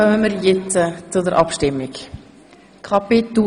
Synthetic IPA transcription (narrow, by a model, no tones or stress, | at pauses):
œmənməɾjet͡sət͡sʊdəɾʔɑ̰pʃtɪmːɪk | kʰɑpit̪u